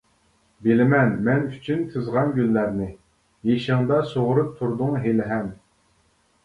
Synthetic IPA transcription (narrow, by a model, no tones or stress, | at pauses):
bɪlɪmɛnmɛnyt͡ʃʰynt̪ʰɨzʁɑnɡʲynːæɾnɪ | jeʃɪŋd̪ɑsoʁʊɾup̚t̪ʰuɾd̪ʊŋɦelɪɦɛm